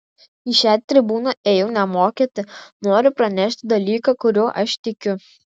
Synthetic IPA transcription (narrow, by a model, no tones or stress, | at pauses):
iʃʲæːt̪ʲɾʲɪbuːnɐʔeːjɛʊnʲɛmoːkʲeːt̪ʲɪnoːɾʲʊpɾɐnʲɛʃʲt̪ʲd̪ɐlʲiːkɐkʊɾʲoːʔɐʃt̪ʲɪkʲʊ